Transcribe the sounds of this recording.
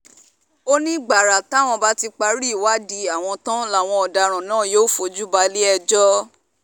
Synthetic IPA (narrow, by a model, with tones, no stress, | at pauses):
o˦nĩ˦ɡ͡ba˨ɾa˨ta˨˦˨w̃ɔ̃˧ba˦ti˧k͡pa˧ɾi˦˨wa˦di˧a˨w̃ɔ̃˧tã˦la˦˨w̃ɔ̃˧ɔ˨da˧ɾ̃ã˨nãː˦˨joː˦fo˧d͡ʒu˦ba˧li˦ɛ˧d͡ʒɔ˦